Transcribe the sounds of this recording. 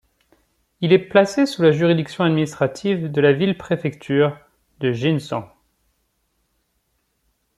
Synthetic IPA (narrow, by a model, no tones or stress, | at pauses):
ilɛplasesulaʒyʁid̪iksjɔ̃ad̪minist̪χat̪ʰivd̪əlavilpχefɛkt̪ʰyːʁ | d̪əʒinsɑ̃